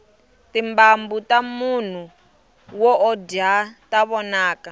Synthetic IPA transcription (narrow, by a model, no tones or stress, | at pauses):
timbambutamun̤u | wɔʔɔdiataβɔnaːka